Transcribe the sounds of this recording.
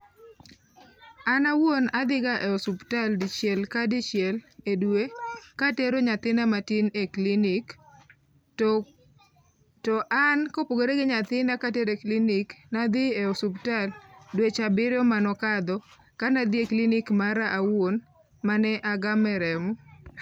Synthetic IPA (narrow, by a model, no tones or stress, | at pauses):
anawonad̪ɪɡaʔeɔsuptaldɪt͡ʃjɛlkadɪt͡ʃjɛledwekateɾoɲat̪ɪnamatɪneklinik | tɔʔankopoɡoɾeɡɪɲat̪ɪnakateɾekliniknad̪ɪeɔsuptaldwet͡ʃabɪɾɔmanɔkad̪ɔ | kanad̪jeklinikmaɾaʔawon | manɛʔaɡamɛɾɛmu